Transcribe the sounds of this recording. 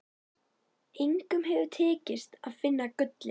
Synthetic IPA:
ejŋkʏmɦɛvʏt̪ʰɛːcɪst̪aðfɪnːakʏt̪lɪ

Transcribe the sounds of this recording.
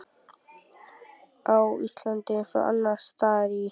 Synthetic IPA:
awḭst̪lant̪ɪnsa̰ʔa̰nːast̪aːɾi

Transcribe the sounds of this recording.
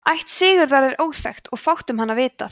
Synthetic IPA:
ajht̪sɪːɣʏɾðaɾɛɾoːwfɛxt̪ɔɣfawht̪ʏmɦanːavɪːt̪a̰

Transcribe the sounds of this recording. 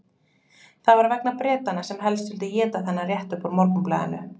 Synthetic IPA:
θavaɾvɛknapɾɛːt̪anasɛmɦɛlst̪ʏlt̪ɪjɛːt̪aθɛnːarjɛht̪ʏhpɔɾmɔɾkʏpla̰ðɪ̰nʏ̰

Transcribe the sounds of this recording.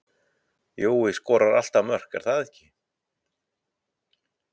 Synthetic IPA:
joːwɪskɔːɾaɾa̰l̥t̪amœr̥kɛ̰ɾ̥θaðɛhcɪ

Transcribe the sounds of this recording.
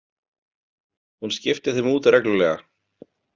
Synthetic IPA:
hunscɪft̪ɪðθɪmuːt̪rɛklʏlɛːɣa̰

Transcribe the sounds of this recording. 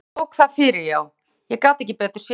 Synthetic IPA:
wkθaðfɪːɾɪɾjaw | jɛɣkawt̪ɛhcɪpɛːt̪ʏ̥ɾ̥sj

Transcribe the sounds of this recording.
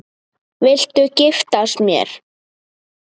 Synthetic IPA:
vɪl̥t̪ʏcɪft̪asmjɛ̰ɾ̥

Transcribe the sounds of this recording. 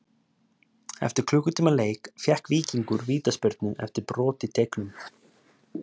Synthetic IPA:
ɛ̰ft̪ɪɾ̥kʰlʏːkʏt̪ʰiːmaleːjkfjɛhkviːciŋkʏɾviːt̪aspœɾt̪nɪnɛ̰ft̪ɪɾpɾɔːt̪ɪt̪ʰejknʏm

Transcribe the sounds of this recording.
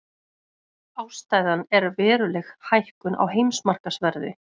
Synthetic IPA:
aːwst̪aːjðanɛɾvɛːɾʏlɛxhajhkʏnʔa̰wɦejmsmar̥kasvɛɾðɪ̰

